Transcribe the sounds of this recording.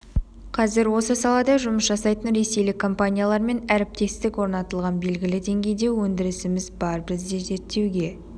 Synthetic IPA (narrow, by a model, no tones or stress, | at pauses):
qʰɑzɪɾwo̞səsɑlˠɑd̪ɑʒʊməsʒɑsɑjt̪ənɾe̞se̞jlɪkʰːo̞mpanʲijalˠɑɾme̞næɾɪp̚t̪e̞st̪ɪkwo̞ɾnɑt̪əlˠʁɑnbe̞lɡʲɪlɪd̪e̞ŋɡʲe̞jd̪e̞wɵnd̪ɪɾɪsɪmɪzbɑɾbɪzd̪e̞ze̞ɾt̪ːe̞wɡʲe̞